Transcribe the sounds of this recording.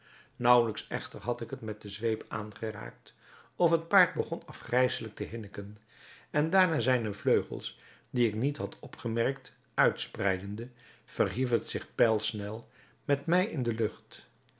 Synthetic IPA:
nʌwləksɛ̰χtəɹɦɑtɪkɦətmɛt̚dəzʋejpa̰ːnχəra̰ːk̚t | ɔfɦət̚paːɹd̚bəχɔnɑfχrɛjsələk̚təɦɪnəkən | ɛndaːɹnaːzɛjndəvløɥχə̰lˠs | diɪknitɦɑtʰɔpχəmɛɹkt | œɥtsprɛjdəndə | v̥ərɦifətsɪχpɛlˠsnɛlˠ | mɛtmɛjɪndəlɵχt

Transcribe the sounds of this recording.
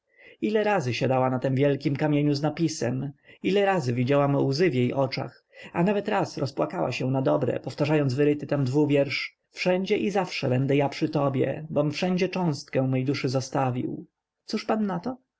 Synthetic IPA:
ilɛɾazɘɕad̪awanat̪ɛmvʲjɛlkʲimkamʲjeɲuznapʲisɛmilɛɾazɘvʲid͡ʑawamwzɘvjejʔɔt͡ʂa̰x | anavɛt̪ɾasɾɔspwakawa̰ɕɛw̃nad̪ɔbɾɛ̰pɔft̪aʐajɔnzvɘɾɘt̪ɘt̪amd̪vuvʲjɛɾʂ | fʂɛɲd͡ʑɛʔizafʂɛbɛnd̪ɛjapʂɘt̪ɔbʲjɛ̰bɔmfʂɛɲd͡ʑɛt͡ʂɔ̃w̃st̪kɛ̃w̃mɛjd̪uʂɘzɔst̪avʲḭw | t̪suʂpanːat̪ɔ

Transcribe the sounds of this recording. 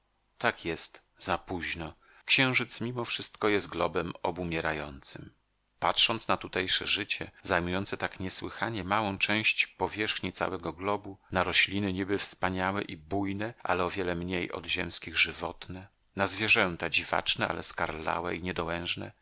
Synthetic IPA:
t̪akʰjɛst̪ | zapuʑnɔ | kɕɛ̃w̃ʐɘt̪smʲimɔfʂɘst̪kɔjɛst̪̚ɡlɔbɛmɔbumʲjɛɾajɔnt̪sɘm | patʂɔnt̪snat̪ut̪ɛjʂɛʐɘt͡ɕɛzajmujɔnt̪sɛt̪akɲɛswɘxaɲɛmawɔ̃w̃t͡ʂɛ̃w̃ɕt͡ɕpɔvʲjɛʂxɲit̪sa̰wɛɡɔɡlɔbunaɾɔɕlʲinɘɲibɘfspaɲawɛʔibujnɛʔa̰lɛɔvʲjɛlɛmɲejʔɔ̰d̪ʑɛ̰mskʲiɣʐɘvɔt̪nɛ | nazvʲjɛʐɛnt̪ad͡ʑiva̰t͡ʂnɛa̰lɛ̰skaɾla̰wɛ̰iɲɛd̪ɔwɛ̃w̃ʐnɛ̰

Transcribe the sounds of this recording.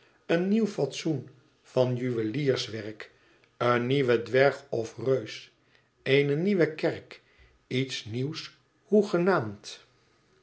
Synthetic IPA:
ənːiwfɑtsun | v̥ɑnjyʋəliːɹsʋɛrk | ənːiʋədʋɛɹχɔfrøɥs | ejnəniʋəkɛrk | itsniws | huχənaːmt

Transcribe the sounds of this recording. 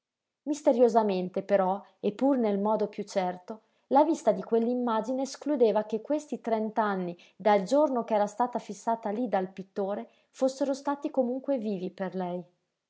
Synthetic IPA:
mist̪eɾjozament̪epeɾɔ | epːurnelmɔːd̪opjut͡ʃːɛrt̪o | lavist̪ad̪ikwelːimːaːd͡ʒineːsklud̪eːvakekːwest̪it̪ɾɛnt̪anːi | d̪ald͡ʒornokɛːɾast̪aːt̪afisːaːt̪alid̪alpit̪ːoːɾe | fosːeɾost̪aːt̪ikomuŋkweviːviperlɛj

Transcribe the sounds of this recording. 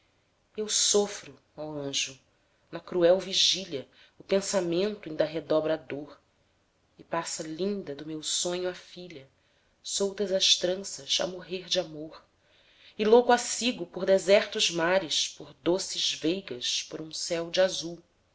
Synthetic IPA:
ewsofɾʊ | awɐ̃ʒʊ | nɐkɾuɛwviʒilɐ | ʊpẽsamẽnt̪ʊĩd̪ɐɦed̪ɔbɾɐd̪oɾ | ɪpasɐlĩnd̪ɐd̪ʊmewsõɲʊafiʎɐ | sowt̪ɐzɐʃt̪ɾɐ̃sɐʃɐ̰moɦeɾd͡ʒamoɾ | ɪlowkʊasiɡʊpoɾd̪ɛzɛɾt̪ʊzmaɾɪʃpoɾd̪osɪzvejɡɐʃpoɾũsɛwd͡ʒɪazuw

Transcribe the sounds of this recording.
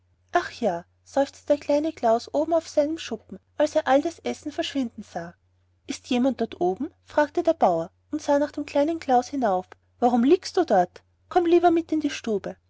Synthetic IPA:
ʔaχjaː | z̥ɔʏft͡stəd̥eːɐkʰl̥aɪnəɡlaʊsʔoːbm̩aʊfsaɪnəmʃʊpm̩ʔalseːɐʔaldasʔɛsn̩fɛɐʃv̥ɪndn̩z̥aː | ʔɪstjeːmant̚d̥ɔɐtʔoːbm̩fʁ̥aːk̚tədeːɐb̥aʊɐ | ʊntz̥aːnaːχd̥eːmkʰl̥aɪnənɡlaʊshɪnaʊf | vaʁʊmliːkstd̥uːdɔɐt | kʰɔmliːbɐmɪtɪndiːʃtuːbə

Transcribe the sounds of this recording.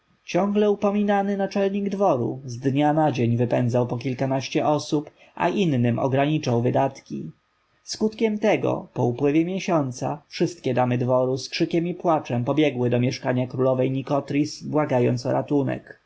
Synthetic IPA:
t͡ɕɔ̃ŋɡlɛupɔmʲinanɘnat͡ʂɛlɲiɡd̪vɔɾṵzd̪ɲanad͡ʑeɲvɘpɛnd̪zawpɔkʲilkanaɕt͡ɕɛʔɔsup | ʔa̰ʔinːɘmʔɔ̰ɡɾaɲit͡ʂawvɘd̪at̪kʲḭ | skut̪kʲɛmt̪ɛɡɔ̰pɔupwɘvʲjɛmʲjɛɕɔnt̪sa̰fʂɘst̪̚kʲɛd̪amɘd̪vɔɾuskʂɘkʲɛmipwat͡ʂɛmpɔbʲjɛɡwɘd̪ɔmʲjɛʂkaɲakɾulɔvɛjɲikɔt̪ɾʲisbwaɡajɔ̰nt̪sɔɾat̪unɛ̰k

